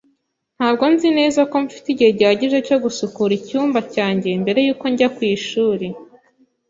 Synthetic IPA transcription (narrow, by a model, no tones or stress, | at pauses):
n̥haːbɡo̞nzine̞ːzako̞mfi̥tiɟiheɟihaɟiʒe̞co̞ɡusukuɾicuːmbacaːɲɟe̞mbe̞ɾe̞juːko̞ɲɟakwiːʃuːɾe